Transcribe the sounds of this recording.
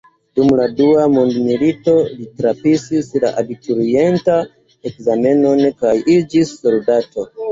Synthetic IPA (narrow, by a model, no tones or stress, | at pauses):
dumladuamondmilito̞litɾapisisla̰ʔabituɾie̞nta | ekzame̞no̞nkajid͡ʒisːo̞ldato̞